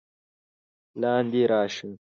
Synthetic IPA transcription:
lɑːnd̪iːɾɑːʂũ

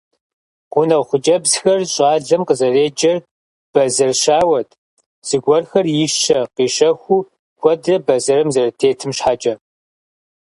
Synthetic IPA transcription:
qʷʊnɐwχʷʊt͡ʃʼɐbzxɐrɕʼaːɮɐmqəzɐreːd͡ʒʼɐr | b̥ɐzɐrʃaːwɐt | z̥ɨɡʷɔrxɐrjɪʃɐqiːʃɐxʷuː | kʷʰɔdrɐbɐzɐɾɨmzɐrɐtʰeːtʰɨmʃħat͡ʃʼɐ

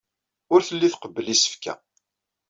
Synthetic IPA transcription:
ʊɾθəlːiθqəbːəlisə̥fkæ̰

